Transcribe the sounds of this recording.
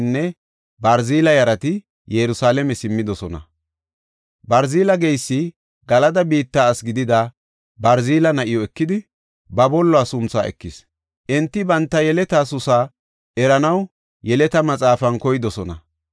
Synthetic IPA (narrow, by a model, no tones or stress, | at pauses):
nːɛ | bɐɾziːlɐjɐɾɐt̪ɪ | jɛɾʊsaːlɛmɛsɪmːɪd̪ɔsɔnɐ̰ | bɐɾziːlɐɡɛjsːɪ | ɡɐlɐd̪ɐbiːt̪ːaːsɡɪd̪ɪd̪ɐ | bɐɾziːlɐnɐʔɪjɔɛkːɪd̪ɪ | bɐbɔlːɔaːsʊnt͡sːa̰ːɛ̰kːɪs | ʔɛnt̪ːɪbɐnt̪ːɐjɛlɛt̪aːsʊsaː | ʔɛɾɐnɐw | jɛlɛt̪ɐmɐt͡sʼaːfɐnkɔjɪd̪ɔsɔnɐ̰